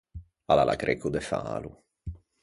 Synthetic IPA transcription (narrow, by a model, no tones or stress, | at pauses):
alalʔakɾʔekud̪ɛfa̰ːlu